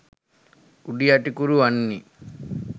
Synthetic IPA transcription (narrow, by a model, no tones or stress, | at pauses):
kuɖijaʈikuɾuɐnːi